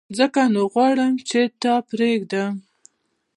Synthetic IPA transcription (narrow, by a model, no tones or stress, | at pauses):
zəkanoɣwɑɽəmt͡ʃet̪ɑpɾeɡd̪a